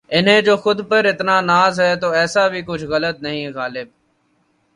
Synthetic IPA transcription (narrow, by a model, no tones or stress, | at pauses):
ɪnɦẽːd͡ʒoːxʊd̪pəɾɪt̪naːnaːzɦɛːt̪oːɛːsaːbʱiːkʊt͡ʃʰɣələt̪̚nəɦĩːɣaːlɪb̚